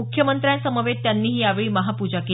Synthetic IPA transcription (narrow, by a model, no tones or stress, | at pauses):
ukʰjəmənt̪ɾjãnsəməʋet̪janːiːɦiːjaʋeɭiːməɦapud͡ʑake